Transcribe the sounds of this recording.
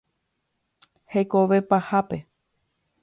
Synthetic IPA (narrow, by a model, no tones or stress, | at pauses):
he̞koʋe̞pahape̞